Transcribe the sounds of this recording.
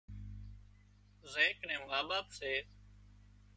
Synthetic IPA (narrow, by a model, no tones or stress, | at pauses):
zẽːknẽːmaːɓaːpseː